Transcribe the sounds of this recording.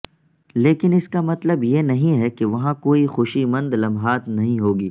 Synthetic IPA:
leːkɪnɪskamɐt̪ləbjenɐɦĩɦɛkeʋɐɦãkoːixʊʃimɐ̃nd̪lɐ̃mɦaːt̪nɐɦĩɦoːɡiː

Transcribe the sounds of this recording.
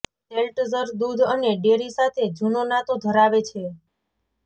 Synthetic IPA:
selʈzəɾd̪ud̪ʱəneɖeɾisat̪ʰed͡ʒunonat̪od̪ʱəɾaʋet͡ʃʰe

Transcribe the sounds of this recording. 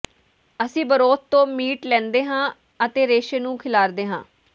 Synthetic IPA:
əsĩːbəɾoːt̪̚t̪õːmiːʈlɛ̃ːnd̪eːɦãː | ət̪eːɾeːʃeːnũːkʰɪlaːɾd̪eːɦã̰ː

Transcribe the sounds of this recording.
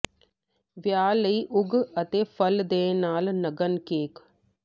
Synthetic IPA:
ʋjaːləiːʔʊɡɐt̪eːfʰəld̪eːnaːlnɐɡənkeːk

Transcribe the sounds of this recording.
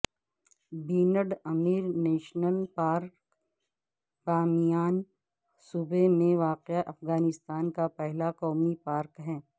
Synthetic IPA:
biːnəɖɐmiːɾnɛːʃnəlpaːɾk | baːmijaːn | sʊbemẽʋaːqaʔɐfɡaːnɪst̪aːnkapɛɦlaqɔːmipaːɾkɦɛː

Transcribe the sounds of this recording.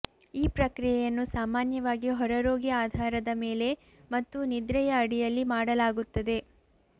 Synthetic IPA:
iːpɾɐkɾijɛjɐnːusaːmaːnjɐʋaːɡiɦɔɾɐɾoːɡiaːd̪ʱaːɾɐd̪ɐme̞ːle̞ | mɐt̪ːunid̪ɾɐjɐːɽijɐlːimaːɽɐlaːɡut̪ːɐd̪e̞

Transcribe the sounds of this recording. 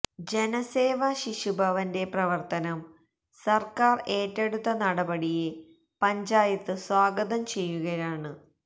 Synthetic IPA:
d͡ʑe̞nɐse̞ːʋɐɕiɕubʱɐʋɐnde̞prɐʋɐrt̪ɐnɐm | sɐrkaːre̞ːtːe̞ɽut̪ːɐnɐɽɐbɐɽije | pɐɲd͡ʑaːjɐt̪ːɨswaːɡɐðɐmt͡ɕe̞jːuɣɐjaːɳɨ

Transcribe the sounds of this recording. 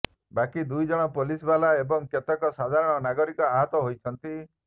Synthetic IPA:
bakid̪ujd͡ʒɔɽ̃ɔpolisbalaebɔŋket̪ɔkɔsad̪ʱaɾɔɽ̃ɔnaɡɔɾikɔaɦɔt̪ɔɦojt͡ʃʰɔnt̪i

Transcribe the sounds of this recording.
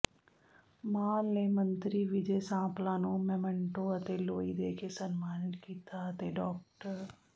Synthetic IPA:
maːlnemə̃nt̪ɾiʋɪd͡ʒesãːplãːnũːmɛmə̃ɳʈõət̪eloːid̪eːkesənmaːnɪkiːt̪aət̪eɖɔːk̚ʈəɾ

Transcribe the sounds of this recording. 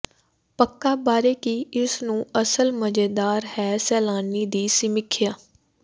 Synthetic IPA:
pəkːaːbaːɾeːkiɪsnũːəsəlməd͡ʒeːd̪aːɾhɛːsɛːlaːniːd̪iːsɪmɪkʰːjaː

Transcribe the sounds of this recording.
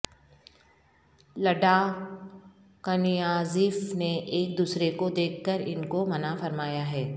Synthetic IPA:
lɐɖa | kɐnijaːziːfneʔeːk̚d̪uːsɾekod̪eːkʰːəɾɪ̰nkomɐnafɐɾmaːjaɦɛː

